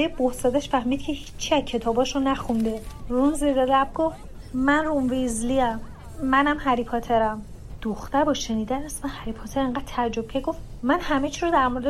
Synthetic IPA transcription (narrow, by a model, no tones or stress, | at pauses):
bejebohsɒːd̪æʃfæhmiːd̪cʰehiːt͡ʃʰːiæzcʰe̞t̪ʰɒːbɒːʃonæxund̪erunziɾelæb̚ɡoft̪ | mænrumvizliæmː | ænæmhæɾipʰɒt̪ʰeɾæm | d̪̥oxt̪æɾbɒːʃe̞niːd̪ænæsmænhæɾipʰɒt̪ʰeɾeŋɢæːd̪̚t̪ʰæɾd͡ʒob̥̚cʰeɡofmænhæmet͡ʃʰiɾod̪æɾmo̞ɾed̪